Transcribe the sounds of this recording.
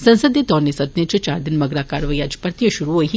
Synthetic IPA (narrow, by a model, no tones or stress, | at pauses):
sɐ̃nsəd̪ed̪ɔːnesɐd̪net͡ʃt͡ʃaːɾd̪ɪnmɐɡɾakaːɾʋəjad͡ʒ̥pəɾt̪ijəʃʊɾuɦoiɦi